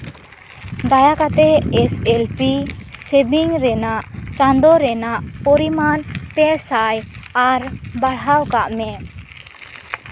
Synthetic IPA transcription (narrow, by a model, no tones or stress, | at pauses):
d̪ajakat̪ɛɛsɛlpisɛbiŋɾɛnaʔt͡ʃãnd̪ɔɾɛnaʔpɔɾimanpɛsajaɾbaɽawkaʔmɛ